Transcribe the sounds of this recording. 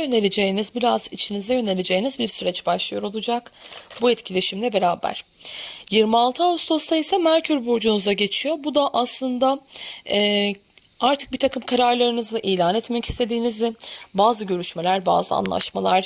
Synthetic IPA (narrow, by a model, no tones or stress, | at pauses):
jøne̞lʲed͡ʒe̞jinizbiɾazit͡ʃʰinizɛjø̞ne̞lʲed͡ʒejinizbiɾsyɾɛt͡ʃbaʃlˠɯjo̞ɾo̞lˠud͡ʒakbuɛt̪cʰilʲe̞ʃimlʲɛbe̞ɾaːbæ̰ɾ̥ | jiɾmialˠt̪ʰɯaust̪ʰo̞st̪ʰaisamæɾcʰyɾbuɾd͡ʒunuzaɟe̞t͡ʃʰijo̞bud̪aʔaslˠɯnd̪aɛː | aɾt̪ʰɯk̚biɾt̪ʰakʰɯmkʰaɾaɾlˠaɾɯnɯzɯʔiːlʲaːnɛt̪mɛci̥st̪ʰe̞d̪iːnizd̪ɛbaːzɯɟø̞ɾyʃme̞lʲæɾba̰ːzɯa̰nlˠa̰ʃma̰lˠaɾ